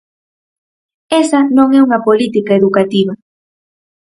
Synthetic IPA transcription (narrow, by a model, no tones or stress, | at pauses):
esɐnõŋɛuŋɐpolit̪ikaeðukat̪iβɐ